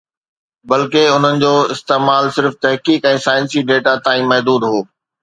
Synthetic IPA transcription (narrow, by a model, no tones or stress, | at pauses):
bɐlkeʊn̤ənɪ̆d͡ʑoːɪst̪eːmaːlsɪɾft̪ɐɦkiːkɛ̃ːsaːɪnsiɖeːʈat̪ãːĩmɐɦd̪uːd̪ɦoː